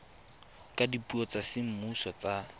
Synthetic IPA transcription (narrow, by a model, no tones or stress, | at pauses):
kʼadipʼuɔt͡sasɪm̩musɔt͡sa